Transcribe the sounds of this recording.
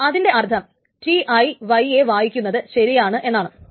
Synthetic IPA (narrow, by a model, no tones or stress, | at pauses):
ɐðinde̞ʔɐrt̪ʰːɐm | ʈiʔɐjʋɐjeʋaːjikʲːunːɐðɨɕɐɾijaːɳɨʔe̞nːaːɳɨ